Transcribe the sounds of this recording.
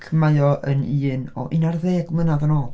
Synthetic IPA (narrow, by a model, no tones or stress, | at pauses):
kʰəmajɔʔəniːnɔ̰ʔinarðeːɡmənaðənɔːlˠ